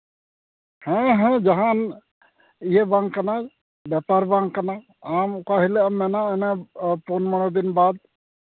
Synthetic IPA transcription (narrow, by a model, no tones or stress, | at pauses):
hɛ̃ɦɛ̃d͡ʒɐɦãn | ijebãŋɡkəna | bjɛpaɾbãŋɡkəna | amkaɦileamːenanaponmənod̪inbad̪̚